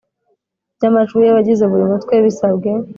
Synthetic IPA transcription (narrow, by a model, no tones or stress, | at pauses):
ɟamat͡ʃujeβaɟizeβuɾimutkweβisabɡe̞